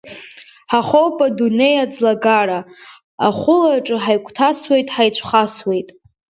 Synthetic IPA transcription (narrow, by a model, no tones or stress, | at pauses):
ħaχowpʼadune̞jad͡zlaɡaɾa | a̰χʷʊlaʈ͡ʂʼɨħajkʷʰʼtʰaswe̞jtʼħajt͡ɕʷʰχaswe̞jtʼ